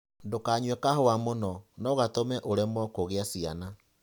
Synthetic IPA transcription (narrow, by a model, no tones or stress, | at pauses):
dokaːɲwɛkahoamonɔnɔɣatomɛʔoɾɛmɔkoɣeasiana